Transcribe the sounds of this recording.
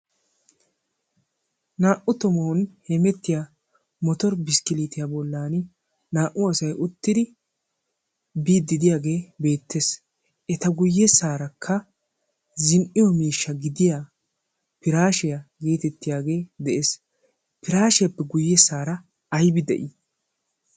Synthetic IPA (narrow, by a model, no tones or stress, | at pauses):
naːʔʊt̪ʊmoːnhɛmɛt̪ːɪja | mɔt̪ɔɾbɪskɪliːt̪ɪjabɔlːaːnɪ | naːʔʊɐsɐjʔʊt̪ːɪd̪ɪ | biːd̪ːɪd̪ɪjaːɡe̞ːbe̞ːt̪ːes | ʔɛt̪ɐɡʊjːɛsaːɾɐkʰːɐ | zɪnʔɪjɔmiːʃːɐɡɪd̪ɪja | pɪɾaːʃɪjɐɡe̞ːt̪ɛt̪ːɪjaːɡe̞ːd̪ɛʔeːs | pɪɾaːʃɪjɐpːɛɡʊjːɛsaːɾɐ | ɐjbɪd̪ɛ̰ʔɪ